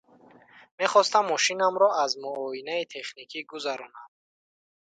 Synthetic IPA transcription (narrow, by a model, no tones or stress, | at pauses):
me̞χɔst̪amːɔʃinamɾɔazmuɔinait̪ʰe̞χnikʰiɡuzaɾɔnad̪̚